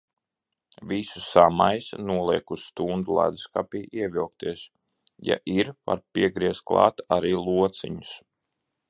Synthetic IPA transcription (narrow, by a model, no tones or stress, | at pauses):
visusamajsnuɔlˠiɛkusːt̪und̪ulˠa̰d̪skapiːʔiɛvilˠk̚t̪iɛs | ja̰ʔiɾva̰ɾpiɛɡɾiɛst̪̚klˠɑ̰ːt̪aɾiːlˠuɔt̪siɲʊs